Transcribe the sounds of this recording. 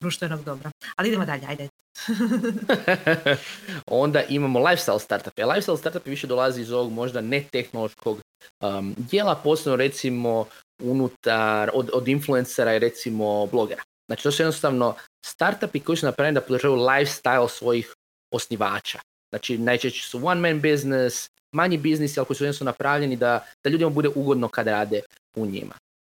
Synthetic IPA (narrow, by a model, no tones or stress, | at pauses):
d̪ɾuʃt̪venoɡd̪obɾaaliid̪emod̪aʎeajd̪e | o̞nd̪aʔimamo̞lˠajfst̪ajlst̪aɾt̪apelajfsajlst̪aɾt̪apeʋiʃed̪o̞lˠaziizo̞ʋo̞ɡmo̞ʒd̪ane̞t̪e̞xno̞lo̞ʃko̞ɡ | əd̪je̞ːlˠapo̞ːsebnoɾe̞t̪simo̞ | unut̪aɾod̪od̪influe̞nseɾaiɾe̞t̪simo̞blˠo̞ɡe̞ɾa | z̥naːt͡ʃi̥t̪o̞sujd̪nost̪aʋno̞st̪aɾt̪apiko̞jisunapɾajenid̪apod̪ɾʒaːʋajulˠajfst̪ajlˠsʋo̞jix | o̞sniʋaːt͡ʃa | znaːt͡ʃinajt͡ʃeʃt͡ɕe̥suwanmenbiznes | maɲibiznisialkoisujensanapɾaʋʎe̞nid̪ad̪̥aʎud̪imabud̪e̞ʔuɡo̞d̪nokad̪ɾaːd̪e | uɲḭmʔa̰